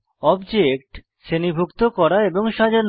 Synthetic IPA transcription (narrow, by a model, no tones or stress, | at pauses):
ɔbd͡ʑekʈ | ʃenibʱukt̪okɔɾaeboŋʃad͡ʑa